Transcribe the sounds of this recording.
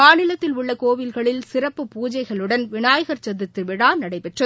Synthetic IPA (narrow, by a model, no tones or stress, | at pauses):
aːnɪlɐt̪ːɪlʊɭːɐkoːʋɪlɣɐɭɪlsɪɾɐpːɯpuːd͡ʒɐɪɣɐɭɯɽɐnʋɪɳaːjɐɣɐɾt͡ʃɐðɪt̪ːɯʋɪɽaːnɐɽɐɪpɛʈrɐ